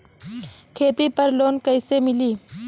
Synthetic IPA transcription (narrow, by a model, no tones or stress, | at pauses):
kʰet̪ipəɾloːnkəjsemiliː